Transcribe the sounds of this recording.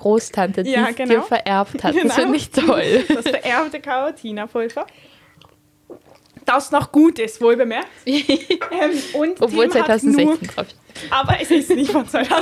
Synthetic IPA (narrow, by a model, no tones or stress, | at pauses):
ɡ̥ʁoːstʰantədjaːɡ̥əniːɐfɛɐʔɛɐpthatassɪɪçtʰɔld̥asfɛɐʔɛɐptəkʰaotʰiːnafʊlfɐ | d̥asnɔχɡ̥uːtɪsv̥oːlbəmɛɐk̚tʔɛmʊntɔpv̥oːlzaɪtʰaʊzn̩tnuɛçɐt͡seːndʁafi̥ | ʔaːbɐɛsisnɪçtvanaɪtʰa